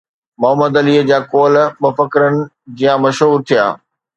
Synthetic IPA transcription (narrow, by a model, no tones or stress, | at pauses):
mʊɦəməd̪ɐliːd͡ʑaːkoːlmʊfəkɪɾənɪ̆ | d͡ʑijãmɐʃɦuːɾt̪ʰija̰ː